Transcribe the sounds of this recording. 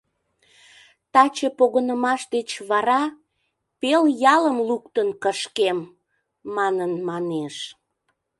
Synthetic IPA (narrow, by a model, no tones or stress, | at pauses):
t̪ɑt͡ɕepoɣənəmɑʃd̪et͡ɕβɑɾɑ | peljɑləmlukt̪ənkəʃkemː | ɑnənmɑneʃ